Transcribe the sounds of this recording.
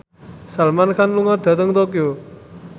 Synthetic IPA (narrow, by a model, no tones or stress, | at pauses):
salmankʰanluŋad̪̥ä̤t̪əŋt̪okjo